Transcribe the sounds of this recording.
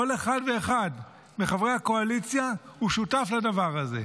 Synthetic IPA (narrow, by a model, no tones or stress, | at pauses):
oleχadve̞ːχad | meχavʁehako̞alit͡sjahuʃutafladavaʁaze̞̰